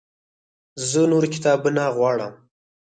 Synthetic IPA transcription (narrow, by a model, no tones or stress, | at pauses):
zənoɾkɪ̥t̪ɑːbunaɣwɑɽə̰m